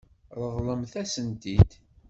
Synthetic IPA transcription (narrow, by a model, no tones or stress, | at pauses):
ɾˤəðˤləmθæsənt̪id̪